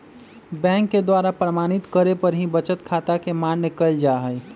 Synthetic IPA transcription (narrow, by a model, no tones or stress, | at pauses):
bɛ̃ŋkːed̪waɾapɾəmaːnit̪kəɾepəɾɦĩbət͡ʃət̪kʰat̪akemanjəkəld͡ʒaɦəj